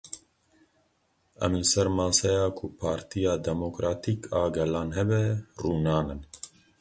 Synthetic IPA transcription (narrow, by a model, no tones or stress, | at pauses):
ɛ̰mləsɛɾmɑːsɛjɑːkʰʊpʰɑːɾt̪ʰijɑːd̪ɛmokɾaːt̪ʰiːkʰɑːɡɛlɑːnɦɛbɛruːnɑːnɨn